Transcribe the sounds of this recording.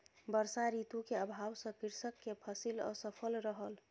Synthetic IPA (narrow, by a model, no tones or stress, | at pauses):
bəɾsaɾit̪ukeəbʱawsə̃kiɾsəkːepʰəsilɔ̰səpʰəlɾəɦəl